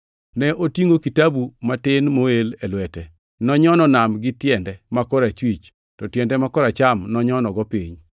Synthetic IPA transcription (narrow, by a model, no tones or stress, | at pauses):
nɛʔotiŋokitabumatɪnmoelɛlwɛtɛ | nɔɲɔnɔnamɡɪtjɛndɛmakɔɾat͡ʃwit͡ʃ | tɔtjɛndɛmakɔɾat͡ʃamnɔɲɔnɔɡɔpiɲ